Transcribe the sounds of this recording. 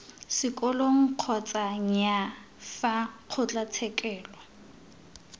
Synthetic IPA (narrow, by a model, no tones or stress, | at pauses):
sɪkʼɔloŋ̩q͡χʰɔt͡sʼaŋ̩ja | faq͡χʰʊt͡ɬʼat͡sʰɛkʼɛːlwɔ